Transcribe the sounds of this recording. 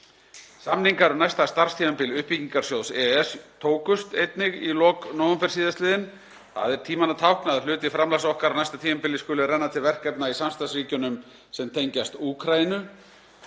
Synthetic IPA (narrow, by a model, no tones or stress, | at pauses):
samniŋkaɾnajst̪ast̪aɾr̥st̪iːmɛmpɪlʏhpiciŋkaɾ̥sjoːwðsɛɛst̪ʰoːwkʏst̪ejt̪nɪɣilɔːknɔwʏmfɛr̥siːðast̪lɪːðɪn | θa̰ðɛɾ̥t̪ʰiːmanat̪ʰawhknaðalʏːt̪ɪfɾamlasɔhkaɾavnajst̪at̪ʰiːmɛmpɪlɪskʏːlɪɾɛnːat̪ʰɪlvɛr̥kɛpnaisamst̪asriːcʏnʏm | sɛmt̪ʰejɲcast̪uːkʰɾajinʏ